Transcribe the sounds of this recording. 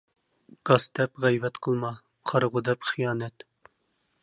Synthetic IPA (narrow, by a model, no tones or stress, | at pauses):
ɡ̥ɑst̪ʰɛpʁɛjvɛt̪qʰəlˠmɑ | qʰɑɾʁʊd̪ɛpχijɑːnɛt̪